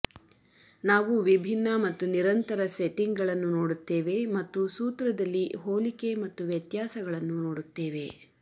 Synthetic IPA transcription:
naːʋuʋibʱinːɐmɐt̪ːuniɾɐnt̪ɐɾɐseʈːiŋɡɡɐɭɐnːuno̞ːɽut̪ːeːʋe̞mɐt̪ːusuːt̪ɾɐd̪ɐlːiɦoːlike̞mɐt̪ːuʋjɐt̪jaːsɐɡɐɭɐnːuno̞ːɽut̪ːeːʋe̞̰

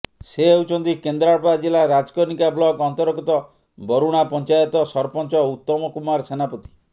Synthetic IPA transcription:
seeut͡ʃʰɔnt̪ikend̪ɾaɭɔpad͡ʒelaɾad͡ʒkɔɾnikablɔɡɔnt̪ɔɾkɔt̪ɔ | bɔɾuɽ̃apɔnt͡ʃajɔt̪ɔsɔɾpɔnt͡ʃɔut̪ːɔmɔkumaɾsenapɔt̪i̥

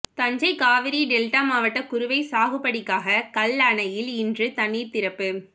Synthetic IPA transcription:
t̪ɐɲd͡ʒɐɪkaːʋɪɾiɖɛlʈaːmaːʋɐʈːɐkʊɾɯʋɐɪsaːɣɯpːɐɽɪkːaːɣɐkɐlːaːɳɐjɪlɪndrɯt̪ɐniːɾt̪ɪɾɐpːɯ

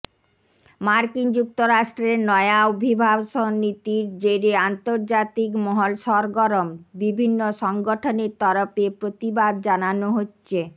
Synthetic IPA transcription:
maɾkind͡ʑuk̚t̪oɾaʃʈɾeɾnɔeaobʱibʱabʃɔnit̪iɾd͡ʑeɾeant̪oɾd͡ʑat̪ikmɔɦolʃɔɾɡɔɾombibʱinːoʃɔŋɡoʈʰoneɾt̪ɔɾofepɾot̪ibad̪̚d͡ʑananoɦotːɕʰe

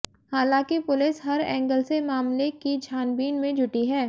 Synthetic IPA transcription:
haːlãːkipʊlɪsɦɐɾɛ̃ːŋɡəlsemaːmlekid͡ʒʱaːnbiːnmẽd͡ʒʱʊʈiɦɛː

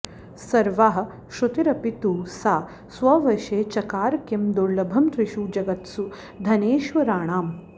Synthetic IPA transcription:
sɐɾʋaɦɐ̆ | ʃut̪iɾɐpit̪uːsaː | sʋɐʋɐʃeːt͡ʃɐkaːɾkjɐmd̪oɾlɐbʱɐmt̪ɾiʃuːd͡ʒɐɡɐt̪su | d̪ʱɐneːʃʋɐɾaːɳaːm

